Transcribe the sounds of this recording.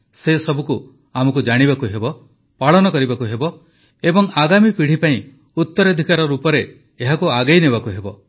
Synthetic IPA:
sesɔbʱuku | amɔkud͡ʒaɽ̃ibakuɦebɔ | paɭɔnɔkɔɾibakuɦebɔ | ebɔŋaɡamipiɽ̤ipaĩ | ut̪ːɔɾɔd̪ʱikaɾɔɾupɔɾe | eɦakuaɡejneβakuɦebɔ

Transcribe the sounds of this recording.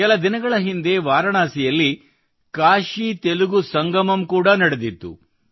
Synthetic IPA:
kɛlɐd̪inɐɡɐɭɐɦind̪e̞ʋaːɾɐɳaːsijɐlːi | kaːʃit̪eluɡusɐŋɡɐmɐmkuːɽɐnɐɽed̪it̪ːṵ

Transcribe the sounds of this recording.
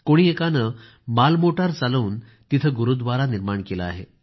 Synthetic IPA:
koɽ̃iekanə | malmoʈaɾt͡saluːn | t̪it̪ʰəɡuɾud̪ʋaɾaniɾmaɳkeləa̰ɦe

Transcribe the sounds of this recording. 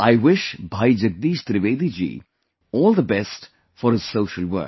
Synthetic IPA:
aɪʋɪʃbʱaːid͡ʒəɡ̚d̪iːʃt̪ɾɪʋeːd̪id͡ʒḭː | ɔːlˠd̪əbɛst | fɔɾhɪz̥soʊʃəlwə̰˞k

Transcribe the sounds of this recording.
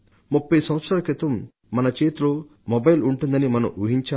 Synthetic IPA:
mupːɐjsɐ̃m̃ʋɐt̪sɾaːlɐkɾit̪ɐm | mɐnɐt͡ʃe̞ːt̪uloː | mɔbɐjluɳʈund̪ɐnimɐnɐ̰muɦiɲt͡ʃa

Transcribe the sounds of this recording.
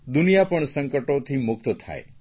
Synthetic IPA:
d̪unijapəɳsəŋkəʈot̪ʰimuk̚t̪ɔt̪ʰa̰ḛ

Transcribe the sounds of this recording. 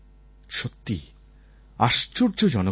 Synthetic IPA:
ʃot̪ːḭ | aʃt͡ɕoɾd͡ʑod͡ʑɔno

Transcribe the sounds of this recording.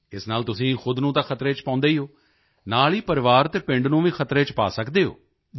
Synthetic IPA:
ɪsnaːlt̪ʊsĩːxʊd̪nũːt̪ãːkʰət̪ɾeːt͡ʃpãːnd̪eːiɦoː | naːliːpəɾɪʋaːɾt̪eːpɪ̃ɳɖnũːʋĩːxʰət̪ɾeːt͡ʃpa̰ːsəkd̪eːɦo̰ː

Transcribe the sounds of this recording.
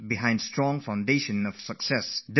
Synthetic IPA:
biɦãɪ̃ndstɹɔ̃ŋfãʊ̃ndeʃə̃nɔv̥səksɛsd

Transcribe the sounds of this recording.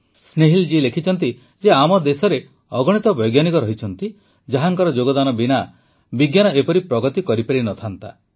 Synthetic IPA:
sneɦild͡ʒilekʰit͡ʃʰɔnt̪̬i | d͡ʒeamɔd̪esɔɾe | ɔɡɔɽ̃it̪ɔbɔjɡjanikɔɾɔɦit͡ʃʰɔnt̪i | d͡ʒaɦaŋkɔɾɔd͡ʒoɡɔd̪anɔbina | biɡjanɔepɔɾipɾɔɡɔt̪ikɔɾipaɾinɔt̪ʰant̪a̰

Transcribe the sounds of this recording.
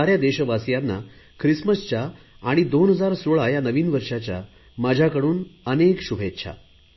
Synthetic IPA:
aɾjad̪eɕʋasjanːa̰kʰɾisməst͡ɕaː | ɽ̃id̪onɦəd͡zaɾsoɭajanəʋiːnʋəɾʂat͡ɕja̰ | mad͡ʑʱakəɽuːnənekɕubʱet̪ːɕʰa̰

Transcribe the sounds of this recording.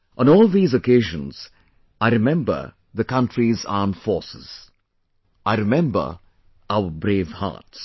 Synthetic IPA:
ʔɔ̃nɔːlˠðiːzəkeːʒə̃nz̥ | aɪɾɪmɛ̃mbə̰˞ | ðəkʌ̃ntɾiza̰ːmfɔːsɪ̰z̥ | ʔaɪɾɪmɛ̃mbə̰˞ | aʊəbɾeːvha̰ːts

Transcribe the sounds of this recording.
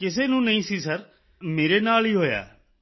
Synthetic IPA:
kɪs̬eːnũːnəĩːsiːsəɾ | meːɾeːnaːliːɦoːja̰ː

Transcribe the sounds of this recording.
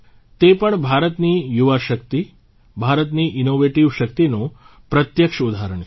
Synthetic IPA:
t̪epəɳbʱaɾət̪nijuʋaʃəkt̪i | bʱaɾət̪niʔɪnoʋeʈiʋʃək̚t̪inõ | pɾət̪jəkʃəud̪aɾəɳ

